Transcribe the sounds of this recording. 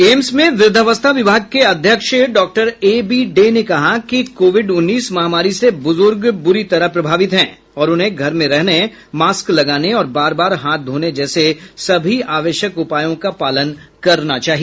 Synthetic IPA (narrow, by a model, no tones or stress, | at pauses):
eːmsmẽʋɪɾd̪ʱəʋəst̪ʰaʋɪbʱaːɡ̚keɐd̪ʱjəkʃɖɔːk̚ʈəɾeːbiːɖeːnekɐɦakikoːʋɪɖʊnːiːsmɐɦaːmaːɾisebʊzʊɾɡbʊɾit̪ɐɾəɦpɾɐbʱaːʋɪt̪ɦɛ̃ː | ɔːɾʊnɦẽɡʱɐɾmẽɾɛɦne | maːsklɐɡaːneɔːɾbaːɾbaːɾɦaːt̪̚d̪ʱoːned͡ʒɛːsesɐbʱiaːʋeːʃjəkʊpaːjõkapaːlənkɐɾnat͡ʃaːɦi